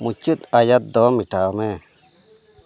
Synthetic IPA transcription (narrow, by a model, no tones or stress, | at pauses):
mut͡ʃit̪ajat̪̚d̪ɔmiʈaːme